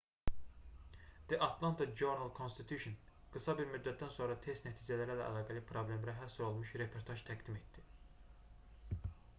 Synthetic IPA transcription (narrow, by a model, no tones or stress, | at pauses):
d̪̥əʔɑt̪ʰlˠɑnt̪ʰɑd͡ʒoɾnalˠkʰonst̪it̪ʰjuʃon | ɡ̥ɯsɑbiɾmyd̪ːæt̪̚d̪ænso̞nɾɑt̪ʰe̞st̪næt̪ʰiːd͡ʒælæɾælæʔæ̰lˠɑːɡælipʰɾoblemɾæɦæsyɾo̞lˠmuʃɾe̞pʰo̞ɾt̪ʰɑʒt̪ʰæɡd̪ime̞t̪d̪̥i